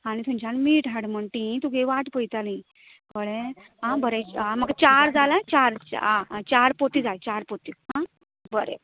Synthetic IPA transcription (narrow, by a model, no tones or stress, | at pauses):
añit̪ʰumt͡ɕanmiːʈaɽməɳʈĩt̪uɡeʋaʈpəjt̪alĩ | kəɭẽ | ɦãbəɾeãməɡat͡ɕaɾd͡zalat͡ɕaɾãt͡ɕaɾpot̪id͡zajt͡ɕaɾpot̪iɦã | bəɾḛ